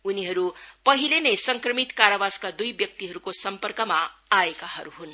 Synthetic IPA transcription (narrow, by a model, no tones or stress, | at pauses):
uniɦʌɾupʌɦilenʌjsʌŋkrʌmit̪kaɾabaskad̪ujbjʌk̚t̪iɦʌɾukosʌmpʌrkʌmaaekaɦʌɾuɦun